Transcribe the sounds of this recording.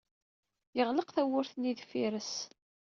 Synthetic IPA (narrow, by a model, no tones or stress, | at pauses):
jəʁləqθæwʊɾθniðfiɾəs